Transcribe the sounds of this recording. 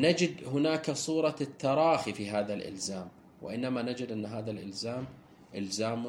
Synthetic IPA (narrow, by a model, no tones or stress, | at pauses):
nad͡ʒɪd̪hʊnaːksˤuːɾˤɑt̪ːɑɾˤɑːxifiɦaːðalʔɪ̰lzaːm | wɪ̰ʔɪnːamanad͡ʒɪd̪ʔɪnːɦaːðalʔɪ̰lzaːm | ʔɪlzaːm